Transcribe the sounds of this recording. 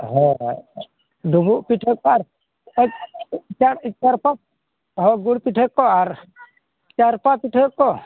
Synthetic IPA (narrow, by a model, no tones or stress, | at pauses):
ɦɔ | dʱuɡuʔpiʈʰɔkːɔaɾ | t͡ʃaɾit͡ʃaɾpa | ɦɔɡuɽpiʈʰɔkːɔaɾ | t͡ʃaɾpapiʈʰɔkːɔ